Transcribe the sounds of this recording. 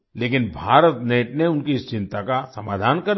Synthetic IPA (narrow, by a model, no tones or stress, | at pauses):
leːkɪnbʱaːɾət̪neːʈneʊnkiɪst͡ʃɪ̃nt̪akasɐmaːd̪ʱaːnkɐɾ